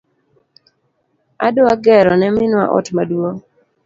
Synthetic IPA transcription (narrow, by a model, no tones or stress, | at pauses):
a̰doaɡɛɾɔnɛmɪnwa̰ʔɔ̰tmadwo